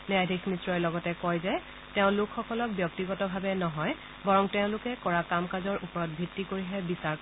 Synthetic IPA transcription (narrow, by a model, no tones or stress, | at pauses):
niajdʱikʰnitɹɔjlɔɡɔtɛkɔjzɛ | teʊ̃lʊkʰxːɔkɔlɔk̚bjɔk̚tiɡɔtɔbʱabɛnɔɦɔj | baɹɔŋtẽʊ̃lʊkɛkɔɹakamkazɔɹʔupɔɹɔt̚bʱitːikoɹiɦɛbisaɹk